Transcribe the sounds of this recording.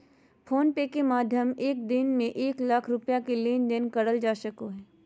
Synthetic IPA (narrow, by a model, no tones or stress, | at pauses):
pʰoːnpeːkemaːd̪ʱjəmeːk̚d̪ɪnmẽʔeːklaːkʰɾʊpjakeliːnd̪ɪnkɐɽəld͡ʒaːʃəkoɦɛː